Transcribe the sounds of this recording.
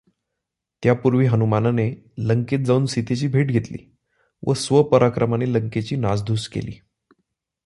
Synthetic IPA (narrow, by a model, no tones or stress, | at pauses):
t̪japuɾʋiːɦənumananeləŋket̪̚d͡zauːnsit̪et͡ɕiːbʱeʈɡʱet̪lḭː | ʋəsʋəpəɾʔakɾəmaneləŋket͡ɕiːnad͡zd̪ʱuskḛlḭː